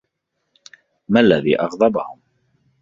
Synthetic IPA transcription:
malːaðḭːʔɑɣd̪ˤɑbahʊm

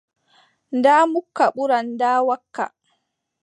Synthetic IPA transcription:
ndaːmukːaɓuɾanːdaːwakːa̰

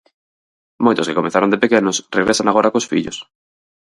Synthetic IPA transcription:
mojt̪oskekomeθaɾond̪epekenosreɣɾesanaɣoɾakosfiʎo̰s

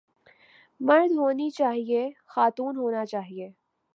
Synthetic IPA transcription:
mɐɾd̪ʱɦoːnit͡ʃaːɦiexaːt̪uːnɦoːnat͡ʃaːɦieː

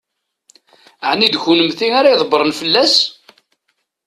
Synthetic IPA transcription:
əʕnid̪çunəmθiaɾajðˤbəɾˤənfəlːæs

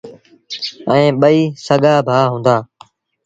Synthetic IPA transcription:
əẽːɓəiːsəɠaːbʱaːɦũːnd̪aː

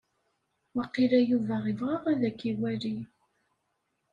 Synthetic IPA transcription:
wæqilæjuvæʁɪvʁɑʁæðækːiwæɾi

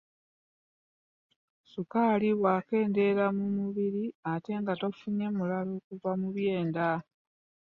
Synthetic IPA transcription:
sukaliβwaːke̞ːnde̞ɾamumuβiɾiate̞ŋɡato̞fuɲe̞mulaloːkuvamuβje̞ːnda

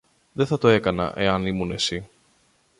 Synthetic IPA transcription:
ðeθɐt̪o̞e̞kɐnɐ̰ʔe̞ɐnimunesi

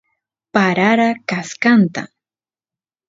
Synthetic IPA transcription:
paɾaɾakaskant̪a̰

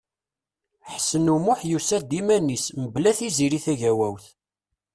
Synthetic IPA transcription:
ħsənumʊħjusæd̪imænisməblæθiziɾiθæʝæwæwθ

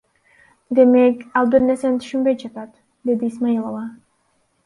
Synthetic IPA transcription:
d̪ɛmɛkalˠbɛɾnɛsɛnt̪ʰʃumbɛt͡ʃʰɛpʰat̪ʰ | d̪ɛd̪iːsmailˠɔva

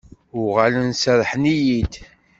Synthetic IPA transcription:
ʊʁalənsəðˤħnijid̪

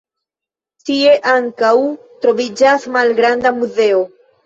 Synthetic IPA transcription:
tie̞ʔaŋkaw | t̪ɾo̞vid͡ʒasmalɡɾandamuze̞o

